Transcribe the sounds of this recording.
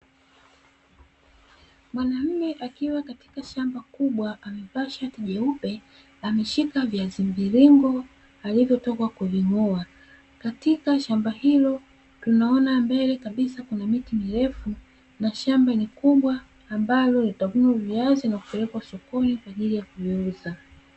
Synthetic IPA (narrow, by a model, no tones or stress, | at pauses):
mwanam̩mɛʔakiwakati̥kaʃambakuɓwaʔamɛvaʃatiʄɛupɛ | amɛʃikaviazimviɾiŋɡɔ | alivjɔtɔkwakuviŋɔa | katikaʃambahilɔ | tunaɔnambɛlɛkaɓisakunamitimiɾɛfu | naʃambanikuɓwaː | mbalɔlitavunuviazinakupɛlɛkwasɔkɔnikwaʄilijakuviuza